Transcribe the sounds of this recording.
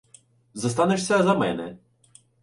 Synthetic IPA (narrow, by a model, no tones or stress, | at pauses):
zɐst̪ɑnɪʂsʲɐzɐmɛnɛ